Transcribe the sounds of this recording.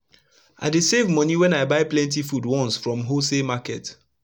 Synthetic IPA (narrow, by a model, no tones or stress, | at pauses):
ʔa̰ɪdesevmɔniwɛ̃naɪbaɪplɛ̃nt̬ifudwɔ̃nsfɹɔ̃mɦosemakɛt